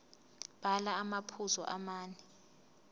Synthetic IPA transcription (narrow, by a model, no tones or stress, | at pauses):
b̥alaːmapʰuzɔ̰ʔa̰maːnɛ